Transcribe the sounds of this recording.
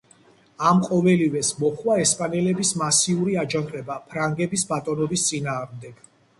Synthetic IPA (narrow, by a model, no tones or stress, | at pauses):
amqʼɔvɛlivɛsmɔχwaɛspʼanɛlɛbismasiuɾiad͡ʒant̪ʼɛbapʰɾaŋɡɛbisbat̪ʼɔnɔbist̪sʼinaːʁmd̪ɛɡ̥